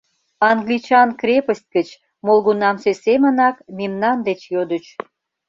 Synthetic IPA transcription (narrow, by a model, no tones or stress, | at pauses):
ɑŋɡlit͡ɕɑnkrʲepəst̚ʲkət͡ɕ | molɣunɑmsesemənɑkmemnɑnd̪et͡ɕjod̪ət͡ɕ